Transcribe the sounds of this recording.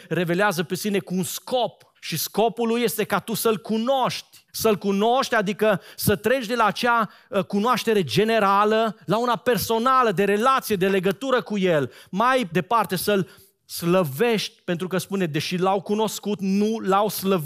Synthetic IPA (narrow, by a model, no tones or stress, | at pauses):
re̞ve̞leazəpesine̞kuːnskop | ʃisko̞pulːujːe̞st̪e̞kat̪usəlkunoʃt̪ʲ | səlkuno̞ʃt̪ʲad̪ikəsət̪ɾe̞t͡ʃʲd̪elaːt͡ʃa | kunoaʃt̪e̞ɾe̞d͡ʒe̞ne̞ɾaləlaunape̞rso̞naləd̪e̞ɾe̞lat̪sije̞d̪e̞le̞ɡət̪uɾəkuje̞lmajd̪e̞part̪e̞səl | sləve̞ʃt̪ʲpe̞nt̪ɾukəspuned̪e̞ʃilawkuno̞skut̪nulawsləv